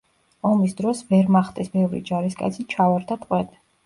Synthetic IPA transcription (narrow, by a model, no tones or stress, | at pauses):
ɔmisd̪ɾɔsvɛɾmaχd̪ɛsbɛvɾḭd͡ʒaɾiskʼa̰t̪sʰit͡ʃʰavaɾd̪at̪ʼqʼwɛd̪